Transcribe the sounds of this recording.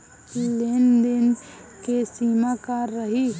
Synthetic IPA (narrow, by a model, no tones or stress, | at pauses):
lend̪ɪn | kesiːmakaɾəɦi